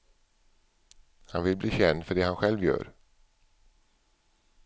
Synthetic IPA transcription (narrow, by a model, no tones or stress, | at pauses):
hanvɪlbliːɕɛnd̪fœɖɛhanɧɛlvjœ̰ːɾ